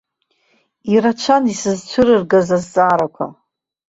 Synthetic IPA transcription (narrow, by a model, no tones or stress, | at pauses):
iɾat͡ʃʷʰanisɨzt͡ʃʷʰɨɾɨrɡazazːʼaːɾakʷʰa̰